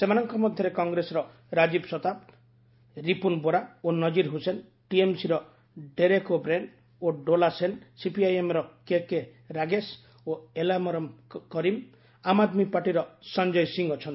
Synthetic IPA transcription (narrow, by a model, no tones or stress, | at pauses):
semanɔŋkɔmɔd̪ʱjɔɾekɔŋɡɾesɔɾɔ | ɾad͡ʒibsɔt̪ab | ɾipunboɾaonɔd͡ʒiɾɦusen | ʈiemsiɾɔ | ɖeɾekobɾeɳɖ | oɖolasensipiajemɾɔkeke | ɾaɡes | oelamɔɾɔmkɔɾim | amad̪mipaʈiɾɔsɔnd͡ʒɔjsiŋɔt͡ʃʰɔnt̪i̥